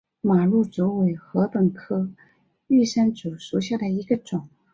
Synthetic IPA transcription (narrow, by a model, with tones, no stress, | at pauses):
ma˨˩lu˥˩t͡su˧˥we˨˩ɪxɤ˧˥pə˨˩ŋkʰɤ˥ | y˥˩ʂa˥nt͡su˨˩ʂu˧˥ɕja˥˩d̪ə˩i˧˥ɡə˧ʈ͡ʂʊ˨˩˦ŋ